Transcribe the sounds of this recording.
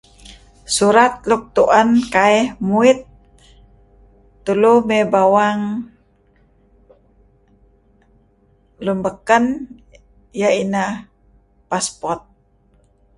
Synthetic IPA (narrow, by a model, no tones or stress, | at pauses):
suɾat̪̚luk̚t̪uʔankaɛhmuit̪̚ | ulumebawaŋ | lumbəkən | jaina | paspɔrt̪̚